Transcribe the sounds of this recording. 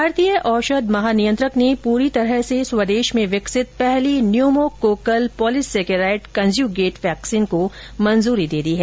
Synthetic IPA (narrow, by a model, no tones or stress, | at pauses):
bʱaːɾt̪ijəʔɔːʃəd̪mɐɦaːnijə̃nt̪ɾəknepuːɾit̪ɐɾəɦseswɐd̪eːʃmẽʋɪksɪt̪̚pɛɦlinjoːmokoːkəlpɔːlɪseːkeɾaːɪʈkɐ̃nzjuːɡeːʈʋɛːksiːnko | mɐ̃nzuːɾid̪eːd̪iɦɛː